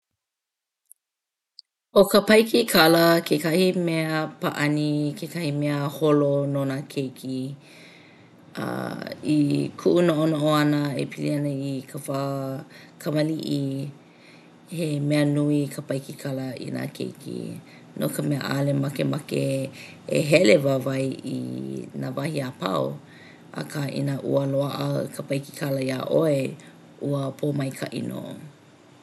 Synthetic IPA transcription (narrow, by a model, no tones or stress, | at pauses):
okəpɐjkikʰɐləkʰekɐhimɛeəpaʔɐnikʰekɐhimeəholononakʰejkʰi | ʔa̰ikʰuʔunoʔonoʔoɐnəḛpʰilḭɐnəikʰava | kʰɐmɐliʔi | hemɛənuikʰapajkikʰalɐḭna̰kʰḛjkʰḭ | nʔo̰kəmeə̰ʔa̰lemakemake | eɦɛlevavɐjḭnavɐhiapa̰w | a̰kʰaːʔḭnaʔṵəloaʔə̰kʰapɐjki̥kʰalɐia̰ʔoe | uəpʰomɐjkʰa̰ʔḭno̰ʔo